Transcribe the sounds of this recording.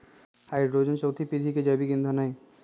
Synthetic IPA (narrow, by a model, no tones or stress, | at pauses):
hajɾɾod͡ʑont͡ʃowt̪ʰipid̪ʱiked͡ʑabiɡind̪ʱanaj